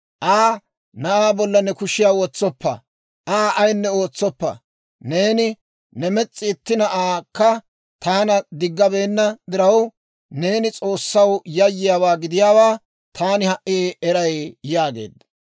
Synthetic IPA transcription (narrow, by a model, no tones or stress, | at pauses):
ʔaː | nɐʔaːbɔlːɐnɛkʊʃɪjaːwɔt͡sːɔpːɐ̰ | ʔaːʔɐjnːɛo̞ːt͡sːɔpːɐ̰ | ne̞ːnɪ | nɛmɛt͡sʼːɪːt̪ːɪnɐʔaːkːɐ | t̪aːnɐd̪ɪɡːɐbe̞ːnːɐd̪ɪɾɐw | ne̞ːnɪt͡sʼo̞ːsːɐwjɐjːɪjaːwaːɡɪd̪ɪjaːwaː | t̪ʰaːnɪhɐʔiɛɾɐjjaːɡe̞̰ːd̪ɐ